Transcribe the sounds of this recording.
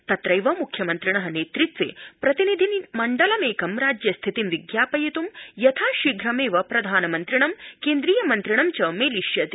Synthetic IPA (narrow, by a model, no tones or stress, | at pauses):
t̪ɐt̪ɾɐjʋɐmukʰjɐmɐnt̪ɾiɳɐɦɐneːt̪ɾit̪̚t͡sḛpɾɐt̪inid̪ʱinmɐɳɖɐlɐmeːkɐmɾaːd͡ʑjɐst̪ʰit̪imʋiɡjaːpɐjit̪uːmjɐt̪ʰaʃiɡʱɾɐmeːʋɐpɾɐd̪ʱaːnɐmɐnt̪ɾiɳ̃ɐmkend̪ɾiːjɐmɐnt̪ɾiɳ̃ɐmt͡ɕɐmeːliɕjɐt̪i